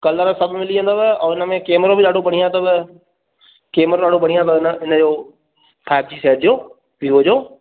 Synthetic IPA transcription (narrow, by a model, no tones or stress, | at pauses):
kɐləɾəsɐbʱmɪliə̃nd̪obɪɔːɪnə̆mẽkeːmɾõbɪɗaːɖʱopɐɽ̤̃ijãt̪ɐbɪ | keːmɾoɗaːɖ̤ʱopɐɽijãt̪̬ɐɪnəɪnəd͡ʑoː | pʰaːɪb̚d͡ʑiːseːʈ̚d͡ʑoː | ʋiːɦod͡ʑoː